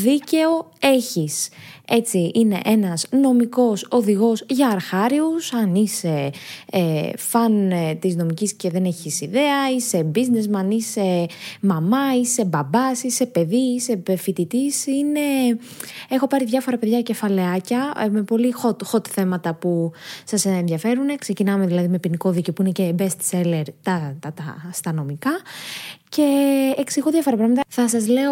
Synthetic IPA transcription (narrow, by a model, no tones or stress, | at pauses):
ðice̞o̞e̞çise̞t͡siine̞̰ʔe̞nɐsno̞miko̞so̞ðiɣo̞zʝɐːɾxɐɾiusɐnise̞ | fɐnt̪izno̞micisce̞ðe̞ne̞çisiðe̞ɐise̞bizne̞zmɐnise̞mɐmɐise̞bɐbɐsise̞pe̞ðiise̞fit̪it̪isine̞ | exo̞pɐɾiðʝɐfo̞ɾɐpe̞ðʝɐce̞fɐle̞ɐcɐme̞po̞lixot̪xot̪θe̞mɐt̪ɐpusɐsnðʝjɐfe̞ɾune̞kse̞cinɐmeðilɐðime̞piniko̞ðicopuinecebest̪sele̞ɾt̪ɐɐt̪ɐst̪ɐno̞mikɐ | ce̞ːksiɣo̞ðjɐfo̞ɾɐpɾɐɣmɐt̪ɐθɐs̬ɐzle̞o